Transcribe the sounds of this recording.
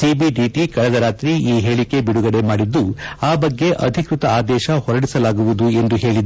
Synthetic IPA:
siːbiɖiʈikɐɾɐd̪ɐɾaːt̪ɾiiːɦe̞ːɭike̞biɽuɡɐɽe̞maːɽid̪ːuaːbɐɡːe̞ʔɐd̪ʱikɾut̪ɐaːd̪ɛːʃɐhɔɾɐɽisɐlaːɡuʋud̪ue̞nd̪uɦe̞ːɭid̪

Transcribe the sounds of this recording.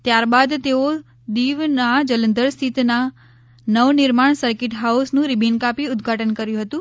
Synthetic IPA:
t̪jaɾbad̪t̪eo | d̪iʋnad͡ʒələnd̪əɾst̪ʰit̪na | nəʋnɪɾmaɳsəɾkɪʈɦausnũɾibʱinkapiʊd̪ɡʱaʈənkəɾjũɦət̪ũ

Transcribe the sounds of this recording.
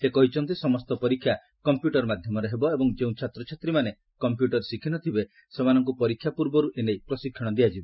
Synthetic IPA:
sekɔɦit͡ʃʰɔnt̪̬isɔmɔst̪ɔpɔɾikʰːja | kɔmpjuʈɔɾɔmad̪ʱjɔmɔɾeɦebɔebɔŋd͡ʒeũt͡ʃʰat̪ɾɔt͡ʃʰat̪ɾimane | kɔmpjuʈɔɾsikʰinɔt̪ʰibe | semanɔŋk̬upɔɾikʰːjapuɾbɔɾuʔenejpɾɔsikʰːɔɽ̃ɔd̪iad͡ʒibe

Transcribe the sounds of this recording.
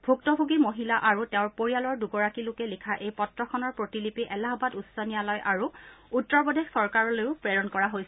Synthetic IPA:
bʱuk̚tɔbʱuɡimoɦilaʔaɹuteʊ̃ɹpoɹijalɔɹduɡɔɹakilokɛlikʰaʔejpɔtɹɔkʰɔnɔɹpɹotilipiʔɛlaɦɔbadusɔnijalɔjʔaɹuutːɔɹpɔdʱexsɔɹkaɹɔlojʊpɹɛɹɔnkɔɹaɦojsɛ

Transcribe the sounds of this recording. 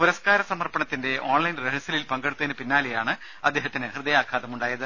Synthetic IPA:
puɾɐskaːɾɐsɐmɐrpɐɳɐt̪ːinde̞ʔo̞ːɳlɐjnreɦɐsɐlilpɐŋɡeɽut̪ːɐðinɨpinːaːlejaːɳɨ | ɐ̰d̪ːe̞ːɦɐt̪ːinɨhrɨðɐjaːkʰaːðɐmuɳɖaːjɐðɨ

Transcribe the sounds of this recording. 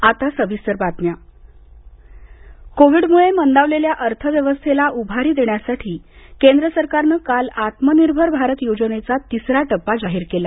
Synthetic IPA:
at̪asəʋisəɾbat̪nja | koʋiɖmuɭemənd̪aʋleljaʔəɾt̪ʰəʋjəʋəst̪ʰelaʔubʱaɾiːd̪eɳjasaʈʰiːkend̪ɾəsəɾkaɾnəkalat̪məniɾbʱəɾbʱaɾət̪jod͡zəɽ̃et͡sat̪isɾaʈəpːad͡zaɦiːɾkela

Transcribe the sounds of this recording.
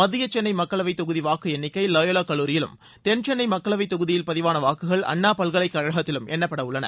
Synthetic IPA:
mɐðɪjɐt͡ʃːɛnːɐɪmɐkːɐɭɐʋɐɪt̪ːɔɣɯðiʋaːkːɯɛnːɪkːɐɪlɐjɐlɐkːɐɭːuːɾɪjɪlɯ̰m | t̪ɛnt͡ʃɛnːɐɪmɐkːɐɭɐʋɐɪt̪ːɔɣɯðɪjɪlpɐðɪʋaːnɐʋaːkɯɣɐɭɐ̰ɳːaːpɐlɣɐɭɐɪkːɐɻɐɣɐt̪ːɪlɯmɛnːɐpːɐɽɐʊɭːɐnɐ̰

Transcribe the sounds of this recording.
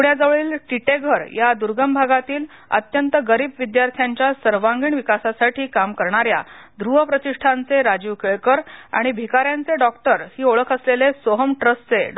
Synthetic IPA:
uɽjad͡zəʋɭiːlʈiʈeɡʱəɾjad̪uɾɡəmbʱaɡat̪iːl | ə̰t̪jənt̪əɡəɾiːbʋid̪jaɾt̪ʰjaɲt͡ɕjasəɾʋaŋɡiːɳʋikasasaʈiːkamkəɾɳaɾjad̪ɾuɦəpɾət̪iʂʈʰant͡seɾad͡ʑiʋkeɭkəɾa̰ɽ̃ibʱikaɾjant͡seɖɔkʈəɾhiːoɭəkʰəslelesoɦəmʈɾəst͡se

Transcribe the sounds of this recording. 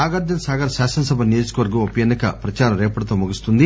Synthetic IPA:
aːɡɐɾd̪jɐnsaːɡɐɾɐʃaːʃɐnɐsɐbʱɐnijo̞ːd͡ʒu̥kɐʋɐɾɡɐmupɐjenːɐkɐ̰pɾɐt͡ʃaːɾɐmɾeːpɐɽɐt̪oːmuɡust̪und̪i

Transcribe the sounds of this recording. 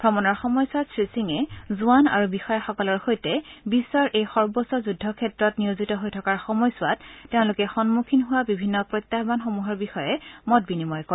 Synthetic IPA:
b̥ɹɔmɔnɔɹxɔmɔjsʊatsɹisiŋɛzuana̰ɹubixɔjaxɔkɔlɔɹxojtɛbisːɔɹʔejxɔɹbɔsɔzudʱːɔkʰɛtɹɔtniozitɔɦojtʰɔkaɹxɔmɔjsʊattɛʊ̃lʊkɛxɔnmukʰinɦʊwabibʱinːɔpɹojtːaɦbanxomuɦɔɹbixɔjɛmɔt̚binimɔjkɔ

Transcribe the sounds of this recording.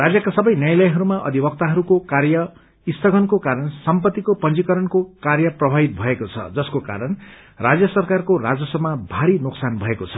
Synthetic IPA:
rad͡zjʌkasʌbʌjnjʌjlʌjɦʌɾumaʔʌ̰d̪ʱibʌk̚t̪aɦʌɾukokarjʌ | ist̪ʌɡʱʌnkokaɾʌnsʌmpʌt̪ːikopʌnd͡zikʌɾʌnkokarjʌprʌbʱabit̪̚bʱʌekot͡sʰʌ̰d͡zʌskoka̰ɾʌn | rad͡zjʌsʌrkarkorad͡zʌsʌbmːabʱaɾinʊksanbʱʌekot͡sʰʌ̥

